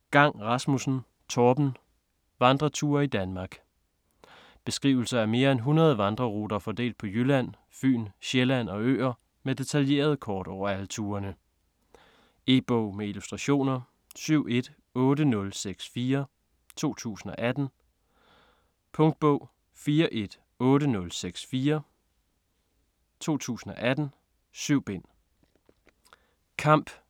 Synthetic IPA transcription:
ɡ̥ɑ̈ŋ̰ʁɑ̈smusn̩ | t͡sʰɒːb̥n̩ | ʋɑ̈nd̥ʁɐt͡sʰuːɐid̥ænmɑ̈ːɡ̥ | b̥e̝sɡ̥ʁḭʊl̩sɐæɐme̝ːɐenɦunʁɐð̞ˠəʋɑ̈nd̥ʁɐʁud̥ɐfɒd̥e̝̰ːld̥̚pʰɒ̽jylæn̰ | fy̰ːnɕelæn̰ɒ̽ø̰ːɐ | med̥e̝t͡sʰælje̝̰ːɐð̞̩ˠkʰɒːd̥ɒʊ̰ɐælət͡sʰuːɐnə | e̝b̥ɔʊ̰meilusd̥ʁɑɕo̝̰ːnɐ | syʊ̰ʔe̝d̥ | ɔ̽ːɾənɔ̽lseɡ̥sfiːɐ | t͡sʰo̝̰ːt͡sʰṵːsn̩ɒ̽ʔæd̥n̩ | pʰɔ̽ŋd̥̚b̥ɔ̽ʊ̰ | fiːɐʔe̝d̥ | ɔ̽ːɾənɔ̽lseɡ̥sfiːɐ | t͡sʰo̝̰ːt͡sʰṵːsn̩ɒ̽ʔæd̥n̩ | syʊ̰b̥e̝n̰ | kʰɑ̈m̰b̥

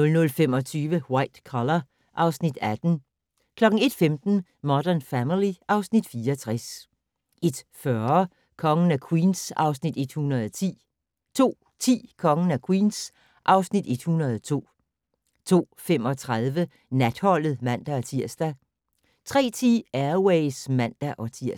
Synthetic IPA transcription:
nɔlnɔ̽lfem̰ɒ̽t͡sʰyːʋəwɑ̈ɪd̥kʰɒlɐ | ʔɑ̈ʊsnid̥æd̥n̩ | kʰlɒ̽ɡ̥ŋ̩e̝d̥femd̥n̩ | mɒd̥ɐnfæmiliʔɑ̈ʊsnid̥fiːɐɒt͡sʰʁas | ʔe̝d̥fɶɐ | kʰɒ̽ŋn̩ækʰwḭːnsɑ̈ʊsnid̥e̝d̥hunɐðˠɒt͡sʰḭː | t͡sʰo̝̰ː | t͡sʰḭːkʰɒ̽ŋn̩ækʰwḭːns | ʔɑ̈ʊsnid̥e̝d̥hunɐðˠɒt͡sʰo̝̰ː | t͡sʰo̝̰ːfemɒ̽t͡sʰʁaðˠʋə | næd̥hɒ̽l̰ð̩ˠmæn̰d̥æɒt͡sʰiɐ̰sd̥æ | t͡sʰʁɛ̰ːt͡sʰḭːæɐweɪsmæn̰d̥æʔɒ̽t͡sʰiɐ̰

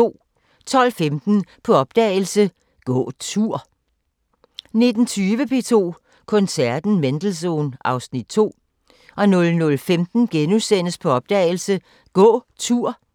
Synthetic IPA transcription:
o̝̰ | t͡sʰɒ̽l̰femd̥n̩pʰɒ̽ɒ̽b̥̚d̥ɛ̰ːɪl̩sə | ɡ̥ɔ̰ːt͡sʰuɐ̰ | ne̝d̥n̩t͡sʰyːʋəpʰe̝̰ːt͡sʰo̝̰ː | kʰɔ̽nsæɐd̥n̩mend̥l̩s̬o̝̰ːnɑ̈ʊsnid̥̚t͡sʰo̝̰ː | ʔɒ̽nɔ̽lnɔ̽lfemd̥n̩ɡ̥enusen̰əspʰɒ̽ɒ̽b̥̚d̥ɛ̰ːɪl̩sə | ɡ̥ɔ̰̽ːt͡sʰuɐ̰

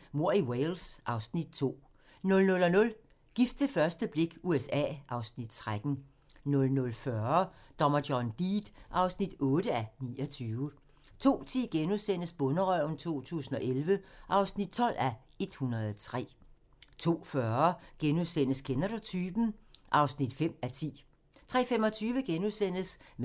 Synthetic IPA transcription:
mo̝ɐ̰iwelsʔɑ̈ʊsnid̥̚t͡sʰo̝̰ː | nɔ̽lnɔ̽lɒnɔ̽l | ɡ̥ifd̥əfɶɐsd̥əb̥le̝ɡ̥uesɛ̰ːʔɑ̈ʊsnid̥t͡sʰʁad̥n̩ | nɔ̽lnɔlfɶɐd̥ɒ̽mɐd̥jɒnd̥ḭːd̥ʔɑ̈ʊsnid̥ɔ̽ːɾəænḭːɒt͡sʰyːʊə | t͡sʰo̝̰ːt͡sʰḭːɡ̥enuðˠsen̰əsb̥ɔ̽nəʁœʊ̰n̩t͡sʰo̝̰ːt͡sʰṵːsn̩ɒ̽ʔelʋəʔɑ̈ʊsnid̥̚t͡sʰɒ̽l̰æ | e̝d̥hunɐðˠt͡sʰʁɛ̰ː | t͡sʰo̝̰ːfɶɐɡ̥enuðˠsen̰əskʰenæd̥ot͡sʰyb̥n̩ʔɑ̈ʊsnid̥fem̰æt͡sʰḭː | t͡sʰʁɛ̰ːfemɒ̽t͡sʰyːʋəɡ̥enuðˠsen̰əsm

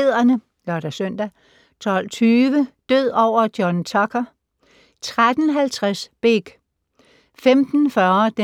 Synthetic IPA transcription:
ð̰ˠɐnə | lɒɾ̥æsœn̰d̥æ | t͡sʰɒ̽l̰t͡sʰyːʋəd̥øð̰ˠɒʊ̰ɐd̥jɒnt͡sʰɒkʰɐ | t͡sʰʁad̥ən̩ɦælt͡sʰʁasb̥eɡ̥ | femd̥n̩fɶɐd̥e

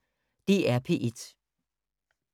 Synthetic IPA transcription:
d̥e̝ːæɐpʰe̝̰ʔed̥

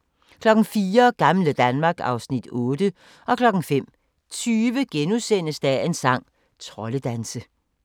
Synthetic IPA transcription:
kʰlɒ̽ɡ̥n̩fiːɐɡ̥ɑ̈mləd̥ænmɑ̈ːɡ̥ɑ̈ʊsnid̥ɔ̽ːd̥ə | ɒ̽kʰlɒ̽ɡ̥n̩fem̰ | t͡sʰyːʋəɡ̥enusen̰əsd̥æe̝nsɑ̈ŋ̰ | t͡sʰʁɒ̽ləd̥ænsə

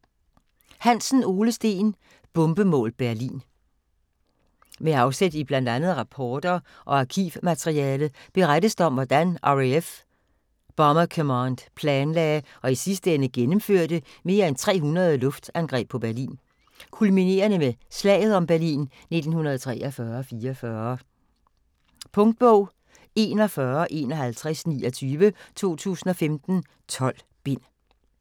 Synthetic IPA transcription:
hænsn̩o̝ːləsd̥e̝̰ːn | b̥ɔ̽mb̥əmɔ̰ːlb̥æɐlḭːn | meɑ̈ʊsed̥ib̥lænd̥ænð̩ˠʁɑ̈pʰɒːd̥ɐ | ʔɒ̽ɑkʰḭʋmæt͡sʰʁiɛːlð̩ˠb̥e̝ʁad̥əsd̥əɒ̽mʋɒd̥ænʔɑef | b̥ɑmɐkʰɔmɑnd̥pʰlɛːnlɛɪ | ɒ̽isisd̥əenəɡ̥enəm̩føɐ̰d̥əme̝ːɐent͡sʰʁɛ̰ːɦunɐð̞ˠəlɔ̽fd̥ænɡ̥ʁɛ̰ːb̥̚ʰɒ̽b̥æɐlḭːn | kʰulmine̝̰ːɐnəmeslɛ̰ɪð̞̩ˠɒ̽mb̥æɐlḭːn | ne̝d̥n̩hunɐð̞̩ˠt͡sʰʁɛ̰ːʔɒfɶːɐɒ̽fiːɐɐfɶːɐ | pʰɔ̽ŋd̥̚b̥ɔʊ̰ | e̝ːnɒ̽fɶːɐʔe̝̰ːnɒ̽ɦælt͡sʰʁɛsnḭːɒt͡sʰyːʋət͡sʰo̝̰ːt͡sʰṵːsn̩ɒ̽femd̥n̩ | t͡sʰɒ̽l̰ | b̥e̝n̰

